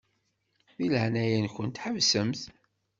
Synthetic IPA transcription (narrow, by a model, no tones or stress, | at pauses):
θiləʕnæjənkʷənt̪ħəvsəmθ